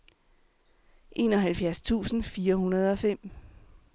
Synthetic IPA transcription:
ʔe̝̰ːnɒ̽ɦælfjæɐst͡sʰṵːsn̩fiːɐhunɐð̞̩ˠɒ̽fem̰

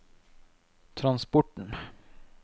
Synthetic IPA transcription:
t̪ʰɾanspɔʈːəɳ

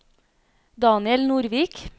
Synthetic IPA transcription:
d̪ɑːnɪɛlnuːɾʋiːk

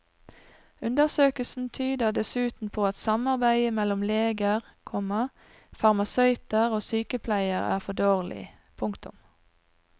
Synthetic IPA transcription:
ʉnd̪əʁsøːkəlsn̩t̪ʰyːd̪əʁd̪ɛsʉːt̪n̩pʰoːɑt̪sɑmɑʁbæɪəmɛlʊmleːɡəʁkʰɔmə | fɑʁmɑsœʏt̪əʁoːsyːkəpʰlæɪəʁæ̰ːʁfɔd̪oːʁlɪ̰ | pʰʊŋkt̪ʊ̰m

